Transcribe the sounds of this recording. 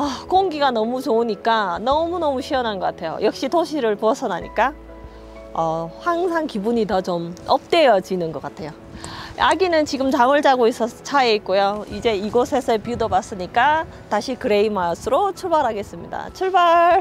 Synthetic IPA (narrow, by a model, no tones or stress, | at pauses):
ʌkoŋɡiɡanʌmut͡ɕouɲik͈anʌmunʌmuɕʰiʌnɦanɡʌk͈atʰe̞jo̰jʌk̚ɕ͈itoɕʰiɾɯɭpoʌsʰʌnaɲḭk͈a | ʌɸwaŋsʰaŋkibuɲitʌt͡ɕomʌp̚t͈e̞jʌd͡ʑinɯnɡʌk͈atʰe̞jo | aɡinɯnt͡ɕiɡɯmt͡ɕamɯɭt͡ɕaɡois͈ʰʌt͡ɕʰaeik̚k͈ojoid͡ʑe̞iɡosʰe̞sʰʌpiudobas͈ɯɲik͈a | taɕʰikɯɾe̞imasʰɯɾot͡ɕʰuɭbaɾɦaɡe̞s͈ɯmɲḭda̰t͡ɕʰuɭbaɾ